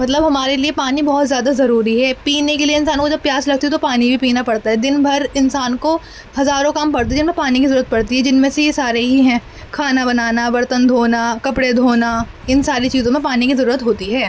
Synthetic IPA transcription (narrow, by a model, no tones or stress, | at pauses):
mɐt̪̬ləbɦɐmaːɾeliepaːnibɔɦʊt̪zjaːd̪azɐɾuːɾiɦɛːpiːnekelieɪnsaːnkod͡ʒɐb̚pjaːslɐɡ̚t̪iɦɛt̪opaːnibʱipiːnapɐɽt̪aɦɛd̪ɪnbʱɐɾɪnsaːnko | hɐzaːɾõkɐmpɐɽt̪aɦɛd͡ʒɪnmẽpaːnikizɐɾuːɾət̪̚pɐɽt̪iɦɛd͡ʒɪnmẽsejesaːɾeɦiɦɛ̃ː | kʰaːnabɐnaːnaʋɐɾt̪ənd̪ʱoːnakɐpɽed̪ʱoːna | ɪnsaːɾit͡ʃiːzõmẽpaːnikizɐɾuːɾət̪ɦoːt̪iɦɛː